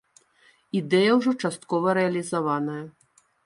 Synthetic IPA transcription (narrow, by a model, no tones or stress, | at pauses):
id̪ɛjɐwʐɔt͡ʂast̪̚kɔvɐɾɛɐlʲizavanɐjɐ